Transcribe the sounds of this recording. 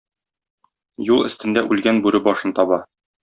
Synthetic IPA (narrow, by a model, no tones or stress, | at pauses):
julˠɘ̆st̪ɘ̆nd̪æʔʉlɡænbʉɾɘbɒʃɤnt̪ɒβɑ